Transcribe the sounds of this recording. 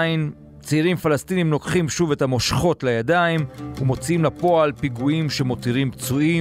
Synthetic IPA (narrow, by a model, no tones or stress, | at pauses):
in | t͡seiʁimfalastinimno̞kχimʃuve̞tamo̞ʃχo̞tlajadaimumo̞t͡siimlapo̞alpiɡuimʃe̞mo̞tiʁimpt͡sui